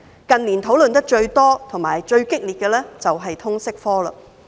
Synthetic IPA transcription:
kɐ˨nliː˨˩nt̪ʰo˨˥wlɵ˨nt̪̬ɐ˥k̚t͡ʃɵ˧ɥt̪ɔː˥t̪ʰʊ˨˩ŋmaː˨˩jt͡ʃɵ˧ɥkɪ˥k̚liː˨˩t̚kɛː˧lɛː˥t͡sɐ˨wɦɐ˨jt̪ʰʊ˥ŋsɪ˥k̚fɔː˥lɐ̰ː˧

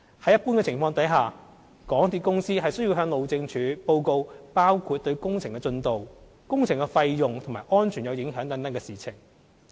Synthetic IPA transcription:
hɐ˨˥jɐ˥tpuː˥nkɛː˧t͡sʰɪ˨˩ŋfɔː˧ŋt̪ɐ˨˥jɦaː˨ | kɔː˨˥ŋt̪iː˨˧t̚kʊ˥ŋsiː˥ɦɐ˨jsɵ˥ɥji˧wɦœː˧ŋlo˨˧wt͡sɪ˧ŋt͡ʃʰyː˨˥po˧wko˧wpaː˥wkʰuː˧t̚t̪ɵ˧ɥkʊ˥ŋt͡sʰɪ˨˩ŋkɛ˧t͡sɵ˧nt̪o˨w | kʊ˥ŋt͡sʰɪ˨˩ŋkɛ˧fɐ˧jjʊ˨ŋt̪ʰʊ˨˩ŋmaː˨jʔɔː˥nt͡ʃʰy˨˩jɐ˨˧wjɪ˨˥ŋɦœː˨˥ŋt̪ɐ˨˥nt̪ɐ˨˥nkɛː˧siː˨t͡sʰɪ̰˨˩ŋ

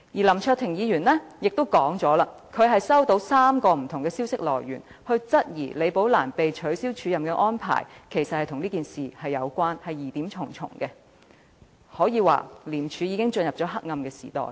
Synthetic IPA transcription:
jiː˨˩lɐ˨˩mt͡ʃʰœː˧k̚t̪ʰɪ˨˩ŋjiː˨˧ɥyː˨˩nlɛː˥jɪ˨k̚t̪o˥wkɔː˨˥ŋt͡sɔː˨˥laː˧ | kʰɵ˨˧ɥɦɐ˨jsɐ˥wt̪o˨˧˥wsaː˥mkɔː˧m̩˨˩t̪ʰʊ˨˩ŋkɛː˧siː˥wsɪ˥k̚lɔ̰ː˨˩jɥy̰˨˩n | hɵ˧ɥt͡sɐ˥t̚jḭː˨˩le˨˧jpo˨˥wlaː˨˩npe˨jt͡ʃʰɵ˨˥ɥsiː˥wt͡ʃʰyː˨˧jɐ˨mkɛː˧ʔɔː˥npʰa̰ː˨˩jkʰe˨˩jsɐ˨t̚hɐ˨jt̪ʰʊ˨˩ŋniː˥kiː˨nsiː˨˩hɐ˨jːɐ˨˧wkʷaː˥nhɐ˨jːiː˨t̪iː˨˥mt͡ʃʰʊ˨˩ŋt͡sʰʊ̰˨˩ŋkɛ˧ | hɔː˨˥jiː˨˧wa̰ː˨liː˨˩mt͡ʃʰyː˨˥jiː˨˧kɪ˥ŋt͡ʃɵ˧njɐ˨p̚t͡sɔ˨˥ɦɐ˥k̚ŋɐ˧mkɛː˧si̥̰ː˨˩t̪ɔ̰ː˨j

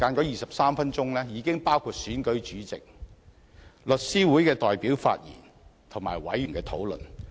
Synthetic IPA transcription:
kaː˨˧nkɔː˨˥jiː˨sɐ˨p̚saː˥mfɐ˥nt͡ʃʊ˥ŋlɛː˥jiː˨˧kɪ˥ŋpaː˥wkʰuː˧t̚syː˨˥nkɵ˨˥ɥt͡ʃyː˨˥t͡sɪ̰˨k̚ | lɵ˨t̚siː˥wuː˨˥jkɛː˧t̪ɔː˨jpiː˨˥wfa̰ː˧t̚jḭː˨˩n | t̪ʰʊ˨˩ŋmaː˨˩jwɐ̰˨˥jy˨˩nkɛː˧t̪ʰo˨˥wlɵ̰˨n

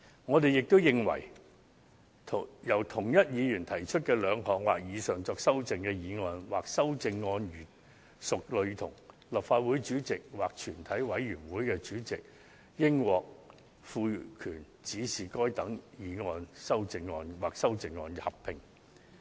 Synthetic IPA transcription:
ŋɔː˨˧t̪e˨jɪ˨k̚t̪o˥wjɪ˨ŋwɐ̰˨˩j | jɐ˨˩wt̪ʰʊ˨˩ŋjɐ˥t̚jiː˨˧jyː˨˩nt̪ʰɐ˨˩jt͡ʃʰɵ˥t̚kɛː˧lœː˨˧ŋɦɔː˨k̚wa̰ː˨k̚jiː˨˧sœː˨˩ŋt͡sɔː˧ksɐ˥wt͡sɪ˧ŋkɛː˧jiː˨˧ŋɔː˧nwaː˨k̚sɐ˥wt͡sɪ˧ŋːɔː˧njyː˨˩n | sʊ˨k̚lɵ˨˧ɥt̪ʰʊ˨˩ŋ | lɐ˨pfaː˧t̚wuː˨˥jt͡ʃyː˨˥t͡sɪ˨k̚waː˨k̚t͡ʃʰyː˨˩nt̪ʰɐ˨˥jwɐ˨˧˥jɥyː˨˩nwuː˨˥jkɛː˧t͡ʃyː˨˥t͡sɪ˨k̚ | jɪ˥ŋwɔː˨k̚ | fuː˧kʰyː˨˩n | t͡siː˨˥siː˨kɔː˥jt̪ɐ˨˥ŋjiː˨˧ŋɔː˧nsɐ˥wt͡sɪ˧ŋːɔː˧nwaː˨k̚sɐ˥wt͡sɪ˧ŋːɔ̰ː˧nhɐ˨˩ppʰɪ˨ŋ

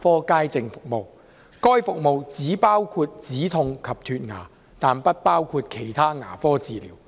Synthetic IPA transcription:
fɔː˥kaː˥jt͡sɪ˧ŋfʊ˨k̚mo˨w | kɔː˥jfʊ˨k̚mo˨wt͡siː˨˥paː˥wkʰuː˧t̚t͡siː˨˥t̪ʰʊ˧ŋkʰɐ˨p̚t̪ʰyː˧t̚ŋa̰ː˨˩ | t̪aː˨npɐ˥t̚paː˥wkʰuː˧t̚kʰe˨˩jt̪ʰaː˥ŋa̰ː˨˩fɔː˥t͡siː˨lḭː˨˩˦w

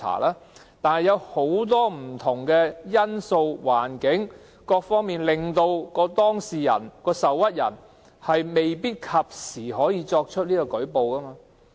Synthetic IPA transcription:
a̰ː˨˩laː˥ | t̪aː˨nhɐ˨jɐ˨˧who˨˥wt̪ɔː˥m̩˨˩t̪ʰʊ˨˩ŋkɛː˧jɐ˥nso˧wwa̰ː˨˩nkɪ˨˥ŋ | kɔː˧k̚fɔː˥ŋmiː˨nlɪ˨ŋt̪o˧wkɔː˧t̪ɔː˥ŋsiː˨jɐ̰˨˩nkɔː˧sɐ˨wɐ˥t̚jɐ̰˨˩n | hɐ˨jme˨jpiː˥t̚kʰɐ˨p̚siː˨˩ɦɔː˨˥jiː˨˧t͡ʃɔː˧k̚t͡ʃʰɵ˥t̚niː˥kɔː˧kɵ˨˥ɥpo˨wkɐ˥maː˧

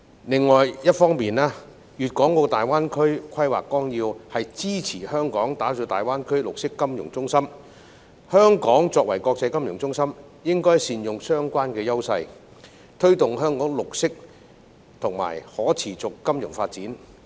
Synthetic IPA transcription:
lɪ˨˧ŋːɔː˨jjɐ˥t̚fɔː˥ŋmiː˨naː˥ | jyː˨t̚kɔː˨˥ŋko˧wt̪aː˨jwaː˥nkʰɵ˥ɥkʷʰɐ˥jwaː˨kːɔː˥ŋjiː˧whɐ˨jt͡siː˥t͡sʰiː˨˩hœː˥ŋkɔː˨˥ŋt̪aː˨˥t͡ʃɔː˨˧t̪aː˨jwaː˥nkʰɵ˥ɥlʊ˨k̚sɪ˥kːɐ˥mjʊ˨˩ŋt͡sʊ˥ŋsɐ˥m | hœː˥ŋkɔː˨˥ŋt͡sɔː˧k̚wɐ̰˨˩jkɔː˧k̚t͡sɐ˧jkɐ˥mjʊ˨˩ŋt͡sʊ˥ŋsɐ˥m | jɪ˥ŋkɔː˥jsiː˨njʊ˨ŋsœː˥ŋkʷaː˥nkɛː˧jɐ˥wsɐ˧j | t̪ʰɵ˥ɥt̪ʊ˨ŋɦœː˥ŋkɔː˨˥ŋlʊ˨k̚sɪ˥k̚ | t̪ʰʊ˨˩ŋma̰ː˨˩jhɔː˨˥t͡sʰiː˨˩t͡sʊ˨kːɐ˥mjʊ˨˩ŋfaː˧t̚t͡siː˨˥n

